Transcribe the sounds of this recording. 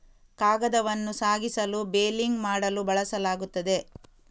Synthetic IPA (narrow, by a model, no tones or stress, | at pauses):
kaːɡɐd̪ɐʋɐnːusaːɡisɐlubeːliŋɡmaːɽɐlubɐɭɐsɐlaːɡut̪ːɐd̪e̞